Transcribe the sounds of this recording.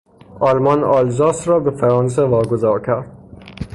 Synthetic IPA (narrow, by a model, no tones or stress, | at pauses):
ɒːlmɒnɒːlzɒːsɾɒːbefæɾɒːns̬evɒːɡozɒːɾcʲʰæɾd̪̥